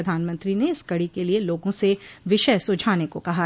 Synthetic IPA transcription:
ɐd̪ʱaːnmə̃nt̪ɾineɪskɐɽikelieloːɡõseʋɪʃəjsʊd͡ʒʱaːnekokɐɦa

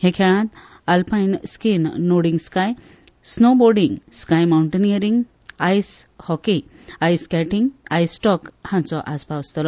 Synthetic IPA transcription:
hẽkʰeɭãt̪ | alpajnskinːoɽiŋɡskaj | snoboɾɖĩŋɡskajmawɳʈenijəɾiŋɡ | ajshɔki | ajskɛʈiŋɡajsʈɔkhãnt͡sɔʔaspaʋst̪ɔlɔ

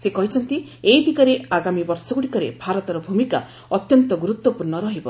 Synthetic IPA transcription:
sekɔɦit͡ʃʰɔnt̪i | ejd̪ʱikɔɾeaɡamibɔɾsɔɡuɽikɔɾḛbʱaɾɔt̪ɔɾɔbʱumika̰ | ɔt̪jɔnt̪ɔɡuɾut̪wɔpuɾɳɔɾɔɦibɔ

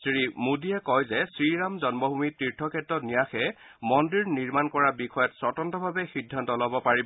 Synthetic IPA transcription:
sɹimudiɛkɔjzɛsɹiɹamzɔnmɔbʱumitɹiɹtʰːɔkʰɛtːɔnijaxɛ | mɔndiɹniɹmankɔɹabixɔjɔtsɔtɔntɔbʱabɛxidʱːantɔlɔbɔpaɹib

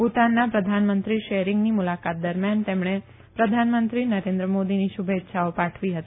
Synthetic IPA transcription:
put̪anːapɾəd̪ʱanmənt̪ɾiʃeɾɪŋɡnimulakat̪̚d̪əɾmjant̪emɳe | pɾəd̪ʱanmənt̪ɾinəɾẽnd̪ɾəmod̪iniʃʊbʱet̪ːʃʰaopaʈʰʋiɦət̪ii

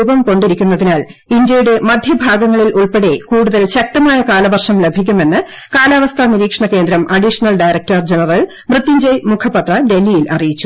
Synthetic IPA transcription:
ubɐmko̞ɳɖiɾikʲːunːɐðinaːlindjɐjuɽe̞mɐd̪ʱjɐbʱaːɡɐŋːɐɭilʔuɭpeɽekuːɽuðɐlɕɐk̚tɐmaːjɐkaːlɐʋɐrʂɐmle̞bʱikʲːume̞nːɨkaːlaːʋɐst̪ʰɐniɾiːkʂɐɳɐke̞ːnd̪ɾɐmʔɐɖiʂɐnɐlɖɐjrɐk̚tɐrd͡ʑenɐrɐl | prɨt̪ːiɲd͡ʑɐjmukʰɐpɐt̪rɐɖe̞lːijilɐrijit͡ɕːu̥

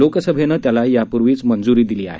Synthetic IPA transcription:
okəsəbʱenəːt̪jalajapuɾʋiːt͡smənd͡zuɾiːd̪iliːa̰ɦe

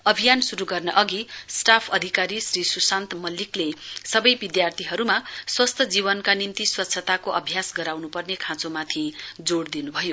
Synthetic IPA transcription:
ʌbʱijansuɾuɡʌrnʌʔʌɡisʈapʰʌd̪ʱikaɾisrisusant̪mʌlːiklesʌbʌjbid̪jart̪ʰiɦʌɾumaswʌst̪ʰʌd͡zibʌnkanimt̪iswʌt̪ːsʰʌt̪akoʔʌbʱjasɡʌɾawnupʌrnekʰãt͡somat̪ʰid͡zoɽd̪inubʱʌjo

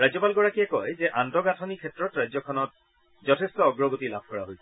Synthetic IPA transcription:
ɹajzɔpalɡɔɹakiɛkɔjzɛʔantɔɡatʰɔnikʰɛtɹɔtɹajzɔkʰɔnɔt̚ | zɔtʰɛstɔːɡɹɔɡotilabʱkɔɹa̰ɦojsɛ

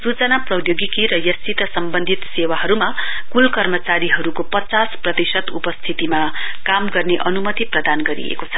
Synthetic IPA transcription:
sut͡sʌnaprʌjoɡikiɾʌjʌstit̪ʌsʌmbʌnd̪ʱit̪sewaɦʌɾuma | kulkʌrmʌt͡saɾiɦʌɾukopʌt͡sasprʌt̪isʌt̪upʌst̪ʰit̪ima | kamɡʌrneʔʌnumʌt̪iprʌd̪anɡʌɾḭḛkot͡sʰʌ̥

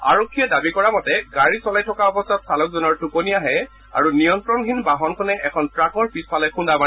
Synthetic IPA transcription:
a̰ɹɔkʰːijɛdabikɔɹamɔtɛɡaɹisɔlajtʰɔkaɔbɔstɔtsalɔk̚zɔnɔɹtuponijaɦɛ | a̰ɹunijɔntɹɔndʱinbaɦɔnkʰɔnɛʔɛkʰɔntɹakʰɔɹpispalɛxundama

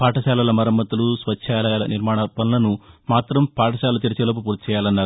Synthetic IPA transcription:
paːʈɐsaːlɐlɐmɐɾɐmːɐt̪ulusʋɐt͡ʃːʃʰaːlɐjaːlɐnʔiɾmaːɳɐpɐnlɐnumaːt̪ɾɐmpaːʈɐsaːlɐt̪iɾit͡ʃeːlɐp̬upuːɾt̪i̥t͡ʃɛːjaːlɐnːaːɾu

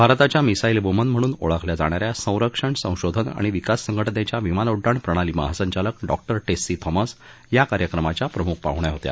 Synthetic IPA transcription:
bʱaɾt̪at͡ɕjamisailbumənm̤əɽ̃uːnoɭakʰljad͡zaɽ̃aɾjasə̃w̃ɾəkʂəɳsə̃w̃ɕod̪ʱəna̰ɽ̃iʋikasːəŋɡʱəʈnet͡ɕjaʋimanoɖːaɳpɾəɽ̃aliːma̰ɦasəɲt͡ɕaləkɖɔk̚ʈəɾʈesːiːt̪ʰɔmas | jakaɾjəkɾəmat͡ɕjapɾəmuk̚ʰpa̰ɦɳjaɦot̪ja̰

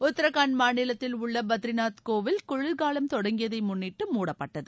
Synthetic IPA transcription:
ʊt̪ːɪɾɐɣaːnmaːnɪlɐt̪ːɪlʊɭːɐbɐt̪ɪɾɪnaːt̪koːʋɪlkʊɻɪlɡaːlɐmt̪ɔɽɐŋɡɪjɐðɐɪmʊnːɪʈːɯmuːɽɐpːɐʈːɐðɯ

